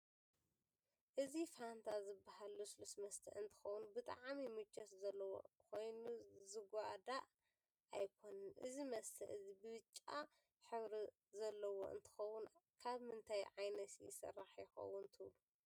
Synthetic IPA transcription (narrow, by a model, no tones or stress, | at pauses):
ʔɨzifant̪ʰazɨbːahalːuslusmɐst̪ʰɐ̰ʔɨnt̪ʰɨ̥xɐwːunbɨt̪ʼa̰ʕmimɨt͡ʃʼːɐszɐlːɐwo̰kʰo̞jnuzɨɡʷad̪aʔ | ʔa̰jkʰo̞nɐnʔɨ̰zimɐst̪ʰɐ̰ʔɨzibɨβɨt͡ʃʼːa | ħɨβɾi | zɐlːɐwo̰ʔɨ̰nt̪ʰɨ̥xɐwːʊnkʰaβmɨnt̪ʰajʕajnɐt̪jɪ̰sɐ̰rːaħjɪxɐ̰wːʊnt̪ʰɨβlu